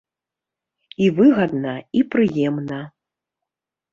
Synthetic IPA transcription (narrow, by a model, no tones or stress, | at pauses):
ivɨɣɐd̪nɐipɾɨjɛmnɐ